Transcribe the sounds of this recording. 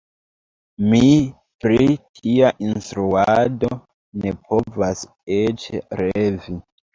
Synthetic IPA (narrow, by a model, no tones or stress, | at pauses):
mi | pɾitʰiaʔinstɾuado | ne̞pʰo̞vas | et͡ʃeɾevi